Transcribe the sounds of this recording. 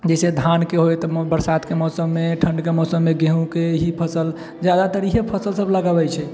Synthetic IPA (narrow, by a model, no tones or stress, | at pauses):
d͡ʒɛsed̪ʱankeɦojt̪ɔbəɾsad̪kemɔsəmːeʈʰəɳɖkemɔsəmːeɡeɦũkeɦipʰəsəl | d͡ʒjad̪at̪əɾiɦepʰəsəlsəbləɡəbɛt͡ʃʰɛ